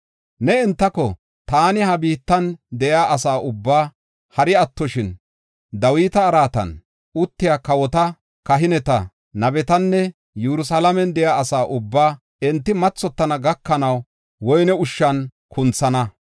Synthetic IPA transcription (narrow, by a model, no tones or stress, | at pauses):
nɛɛnt̪ːɐkɔ | t̪aːnɪhɐbiːt̪ːɐnd̪ɛʔjaːʔɐsaːʔʊbːaː | hɐɾɪɐt̪ːɔʃɪn | d̪ɐwiːt̪ɐːɾaːt̪ɐ̰n | ʊt̪ːɪjaːkɐwɔt̪ɐ | kɐɦɪnɛt̪ɐ | nɐbɛt̪ɐnːɛ | jɛɾʊsalɐmɛnd̪ɛjaːɐsaːʔʊbːaː | ɛnt̪ːɪmɐt͡sːɔt̪ːɐnɐɡɐkːɐnɐw | wɔjnɛʊʃːɐn | kʰʊnt͡sːɐnɐ